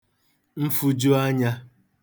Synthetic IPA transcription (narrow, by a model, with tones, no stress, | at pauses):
m̩˦fu˦d͡ʒo˦a˦ɲa˦